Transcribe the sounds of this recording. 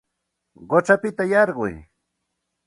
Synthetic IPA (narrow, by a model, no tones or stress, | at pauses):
ɢot͡ʃapɪt̪ajɑɾɢʊ̰j